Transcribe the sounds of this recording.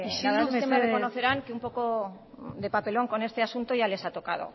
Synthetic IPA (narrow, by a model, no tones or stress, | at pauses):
aðesek̪emerekonoθe̞ɾaŋkeumpo̞ko̞ | d̪e̞pape̞lo̞ŋko̞ne̞st̪e̞asunt̪oʝale̞sat̪o̞kað̞o̞̰